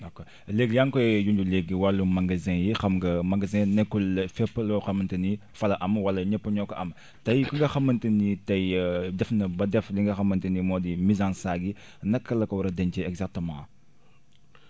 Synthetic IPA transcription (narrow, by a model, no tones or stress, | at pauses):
okːɔ | leɡjaŋkɔjjuɲɟuleɡiwɐlːumɐŋɡɐzɛ̃jixɐmɡɐmɐŋɡɐzɛ̃nɛkːulfɛpːɐlɔxɐmɐntɐnifɐlɐʔɐmwɐlɐɲɛpːɐɲɔkɐʔɐm | tɐjkuŋɡɐxɐmːɐntɐnitɐjdɛfnɐbɐdɛfliŋɡɐxɐmːɐntɐnimɔːdimizãnsaːɡi | nɐkːɐlɐkɐwɐɾɐdɛnt͡ʃɛɛɡzak̚tɐmã̰ː